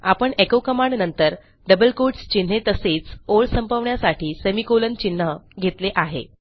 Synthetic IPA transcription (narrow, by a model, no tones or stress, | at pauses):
apəɳekokəmãɳɖnənt̪əɾ | ɖəbəlkoɖst͡ɕin̤ːet̪əseːt͡soɭsəmpəʋɳjasaʈʰiːsemikolənt͡ɕin̤ːəɡʱet̪leʔaɦḛ